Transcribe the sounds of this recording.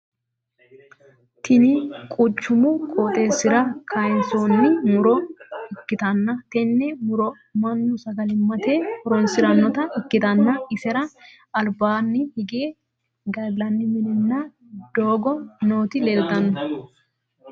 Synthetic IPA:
t̪ʰɪnikʼʊt͡ʃːʊmʊkʼoːt̪ʼeːsɪɾɐkʰɐjɪnsoːnːɪmʊɾɔɪkːɪt̪ɐnːɐt̪ɛnːɛmʊɾɔ | mɐnːʊsɐɡɐlɪmːɐt̪eːhɔɾɔnsɪɾɐnːɔt̪ɐɪkːɪt̪ɐnːɐɪsɛɾɐ | ɐlbaːnːɪhɪɡeː | ɡɐlɐnːɪmɪnɪnːa | d̪̥oːɡɔnoːt̪ɪleːlt̪ɐnːʊ

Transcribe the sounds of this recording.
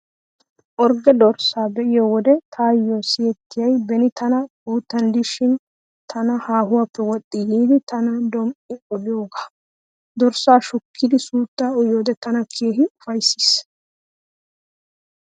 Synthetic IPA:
ʔɔɾɡɛd̪ɔɾsaːbɛʔɪjowɔd̪ɛt̪ʰaːjːoːsɪjɛt̪ːɪjɐjbɛnɪt̪ɐnɐkuːt̪ːɐnd̪ɪʃɪn | t̪ʰɐnɐhaːhʊwapːɛwɔt̪ʼːɪjiːd̪ɪt̪ɐnɐd̪ɔmʔʼɪɔlɪjo̞ːɡaː | d̪ɔɾsaːʃʊkʰːɪd̪ɪsuːt̪ːaːɔjoːd̪ɛt̪ɐnɐkʰeːɦɪʊfɐjsːɪ̥s

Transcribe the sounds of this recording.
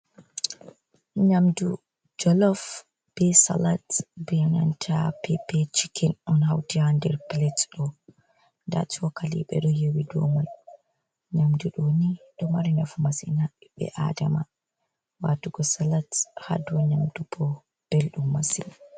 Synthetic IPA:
ɲamdu | d͡ʒɔlɔf | b̥ɛsa̰latbijana̰ntʰapʰɛpɛt͡ʃikɛnɔnhawtihandɛɾpilɛtɗɔ | nda̰tɔkalḭɓɛ̰ɗɔjewidɔmaj | ɲamduɗoniɗɔmaɾinafumasinaɓɛ̰ʔa̰dama | watuɡɔsalathadɔɲamdubɔ | b̥elɗumːasina

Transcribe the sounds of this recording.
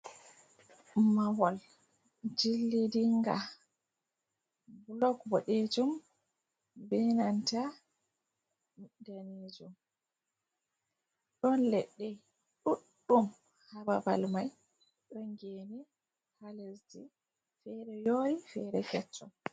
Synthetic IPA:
mawɔl | d͡ʒilːidiŋɡa̰ | blɔkbɔɗed͡ʒum | bɛnanta | daned͡ʒum | ɗɔnlɛɗːɛ | ɗuɗːum | hababa̰lmaj | ɗɔŋɡeːni | halezdi | fɛɾɛjoːɾifɛɾɛkɛt͡ʃːɔm

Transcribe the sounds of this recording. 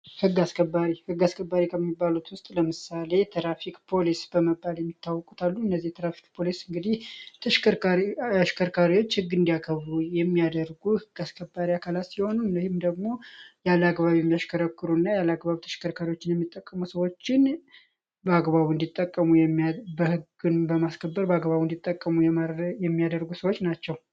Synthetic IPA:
hɨɡːaskʰəbːaɾihɨɡːaskʰəbːaɾikʰəmːibːalut̪wʊst̪ʼləmɨsale̞t̪ʰɾafikʼpʰo̞lisbəməbːaljɛmːit̪ʰːawːɔkʼu̥t̪ʰalːuɨnːəzːiht̪ʰɾafi̥k̚pʰo̞lisɨŋɡɨd̪iht̪ʰəʃkəaʃkʰəɾkʰaɾiwo̞t͡ʃːhɨɡːɨnd̪ijakʰəβujɛmːijad̪əɾɡuhɨɡːaskʰəbːaɾiakʰalat̪siho̞nunəhɪmd̪əɡmo̞jalaɡbaβijɛmːijaʃkʰəɾəkːɨɾunːajalaɡbaβit̪ʰə̥ʃkʰəɾkʰaɾiwo̞t͡ʃːɪnjɛmːit̪ʼːəkʼːəmusəwo̞t͡ʃːɪn | bəaɡbaβɨnd̪it̪ʼːəkʼːəmujɛbəhɨɡ | ɨnbəmaskʰəbːəɾbəaɡβaβund̪it̪ʼːəkʼːəmujɛajɛmːijad̪əɾɡusəwo̞t͡ʃːnat͡ʃːɛw

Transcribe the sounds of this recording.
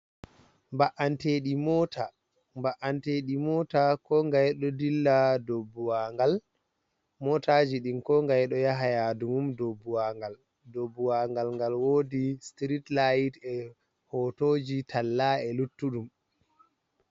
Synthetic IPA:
mbaʔanteɗimɔtʰa | mbaʔanteɗimɔtakɔŋɡajɗɔdilːadobːuwaŋɡal | mɔtad͡ʒiɗinkɔŋɡajɗɔjaɦajadumumdobːuwaŋɡal | dobːuwaŋɡalŋɡalwoːdistɾitlajtɛ | hɔtoːd͡ʒitʰalːaɛlutːuɗum

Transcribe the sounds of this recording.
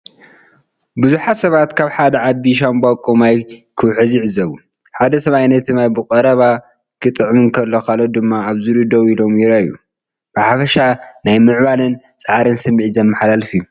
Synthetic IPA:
buzuħasɐβat̪kʰaβħad̪ɐʕad̪iʃ̬ambakʼumajkʰɨwħɨziʕɨzɐβuħad̪ɐsɐβajnɐt̪ɨmajbɨkʼɐɾɐβa | kʰɨt̪ʼɨʕmɨnkʰɐlːokʰalːod̪ɨmːaaβzɨlud̪owilo̞mjiɾajṵ | b̥ɨħafɐʃanajmɨʕβalɨn | t͡sʼɐʕaɾɨnsɨmːiʕizɐnmːɐħalalfiju

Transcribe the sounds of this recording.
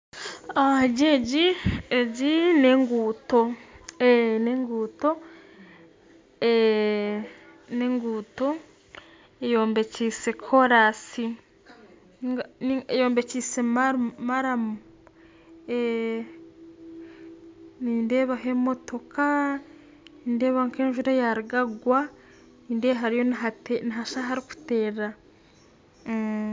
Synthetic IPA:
aɟeɟieɟine̞ːŋɡuːtoeneŋɡuːto̞ | e | neːŋɡuːto̞ | ejo̞ːmbe̞ciːse̞kʰo̞ɾasi | nŋaniejo̞ːmbe̞cise̞mamaɾamu | e | niːnde̞ːβaɦe̞mo̞to̞ka | niːnde̞ːβaŋkeːɲʒuɾajaɾiɡaɡwa | niːndeɦaɾijo̞nateniɦaʃaɦaɾiku̥te̞ːɾa

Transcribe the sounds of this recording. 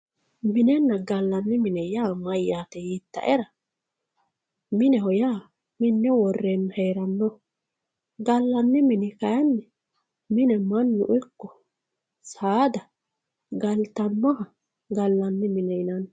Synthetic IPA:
mɪnɛnːɐɡɐlːɐnːɪmɪnɛjaːmɐjːaːt̪ɛjit̪ːɐ̰ʔɛɾɐ | mɪnɛhɔjaː | mɪnːɛwɔrːenːheːɾɐnːɔ | ɡɐlːɐnːɪmɪnɪkɐjɐnːɛ | mɪnɛmɐnːʊ̰ʔʊkːɔ | saːd̪ɐ | ɡɐlt̪ɐnːɔhɐ | ɡɐlːɐnːɪmɪnɛjɪnɐn

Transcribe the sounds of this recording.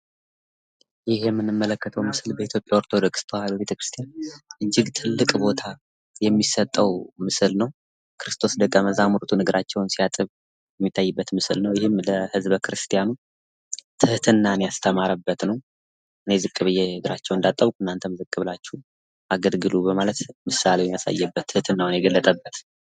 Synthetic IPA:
jɪhɛmːɨnːɨmːələkːət̪ʰəwmɨsɨlbəit̪jo̞pʼjaoɾt̪ʰo̞d̪okst̪ʰwaləbe̞t̪ʰəkɾɨst̪ʰijanʔɨd͡ʒːɪɡt̪ʰɨlːɨkʼbo̞t̪ʰa | jɛmːisət̪ʼːəwmɨsɨlnəw | kʰɨɾɨst̪ʰo̞sd̪əkʼːəməzamuɾt̪ʰunɨɡɨɾʔat͡ʃːɛwnsijat̪ʼɨβ | jɛmːit̪ʰːajːɨbːət̪mɨsɨlnəwjɪhɪmləhɨzbkɾɨst̪ʰijanu | t̪ʰɨht̪ʰɨnːanjast̪ʰəmaɾəbːət̪nəw | ʔɨne̞zɨkʼːɨβɨjːenɨɡɨɾat͡ʃːɛwɨnd̪at̪ʼːəβkʷuɨnːant̪ʰəmzɨkʼːɨβlat͡ʃːu | ʔaɡəlɡɨlubəmalət̪mɨsaleɛmjasa̰jːɛbːət̪ʰːɨht̪ʰɨnːawnjɛɡəlːət̪ʼəbːət̪

